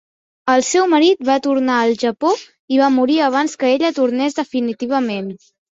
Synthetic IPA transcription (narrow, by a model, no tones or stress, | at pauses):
əlˠsɛwməɾit̪̚βat̪uɾnaəlˠʒəpo | iβamuɾiəβ̞anskəeʎət̪uɾnezðəfinit̪iβ̞əmen